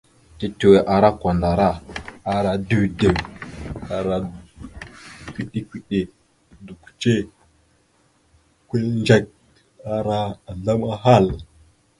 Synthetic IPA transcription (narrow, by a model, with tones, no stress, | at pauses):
ti˦tu˨we˨ʔa˨ɾa˦kʷa˨nda˨ɾa˦a˨ɾa˨du˦de˨w | a˨ɾa˨ | kʷi˦ɗi˦kʷi˦˨ɗe˨ | du˨kʷu̥˨t͡ʃe˦ | kʷe˦nd͡ʒe˦k̚ | a˨ɾa˦a˨ɮa˦ma˦ɦa˦˨l